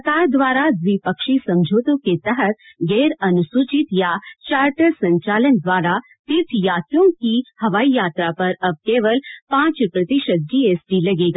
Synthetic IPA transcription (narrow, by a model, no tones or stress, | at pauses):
sɐkaːɾd̪ʋaːɾad͡zipəkʃisɐ̃md͡ʒʱoːt̪oket̪ɐɦət̪̚ | ɡeːɾɐnusut͡ʃit̪jat͡ʃaːɾʈəɾsɐ̃ɲt͡ʃaːlənd̪ʋaːɾa | t̪itʰjaːt̪jõŋkihɐʋaːijaːt̪ɾapɐɾɐb̚keːʋəlpãːt͡ʃpɾɐt̪iʃət̪̚d͡ʒiːeːsɖilɐɡeːɡa